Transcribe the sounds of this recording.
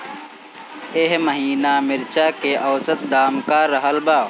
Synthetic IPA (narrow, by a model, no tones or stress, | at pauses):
eɦməɦiːnaːmɪɾt͡ʃakeʔɐːsət̪̚d̪aːmkaːɾɐɦəlbaː